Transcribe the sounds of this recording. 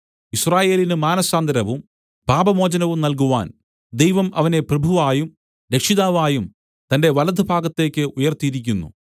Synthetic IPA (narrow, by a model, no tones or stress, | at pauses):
israːje̞ːlinɨmaːnɐsaːnd̪ɐɾɐʋum | bʱaːbɐmo̞ːd͡ʑɐnɐʋumnɐlk̬uʋa̰ːn | d̪e̞jʋɐmʔɐʋɐne̞prɐbʱuʋaːjum | ɾe̞kʂiðaːʋaːjum | t̪ɐnde̞ʋɐlɐd̪ʱɨbʱaːɡɐt̪ːe̞ːkʲːɨʔujɐrt̪ːijiɾikʲːunːṵ